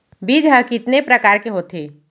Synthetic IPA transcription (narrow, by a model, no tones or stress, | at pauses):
biːd̪ʱɦəkɪt̪nepɾɐkaːɾkeɦoːt̪ʰeː